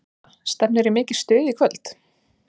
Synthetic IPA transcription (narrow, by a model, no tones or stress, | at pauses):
st̪ɛp̚nɪɾɪmɪːcɪɾ̥st̪ʏːðikʰvœlt̪